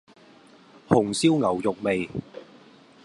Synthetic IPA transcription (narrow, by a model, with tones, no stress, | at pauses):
hʊ˨˩ŋsiː˥wŋɐ˨˩wjʊ˨k̚me˨j